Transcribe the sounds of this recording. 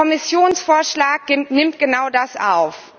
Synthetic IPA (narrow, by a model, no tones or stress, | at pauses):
ɔmɪsjoːnsfoːɐʃlaːk̚ɪnɪmtɡ̥ənaʊdasʔa̰ʊf